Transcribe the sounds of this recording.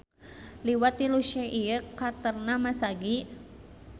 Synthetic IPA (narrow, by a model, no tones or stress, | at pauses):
liwat̪iluʃɛʔiəkːat̪ərnamasaɡi